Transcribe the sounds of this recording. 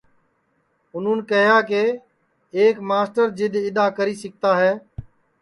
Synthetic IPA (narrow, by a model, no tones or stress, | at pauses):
ʊn̤ũːnkəɦjaːkeː | eːkmaːsʈəɾd͡ʒɪɗ̪ɪɗaːkəɾiːsɪk̚t̪aːɦɛː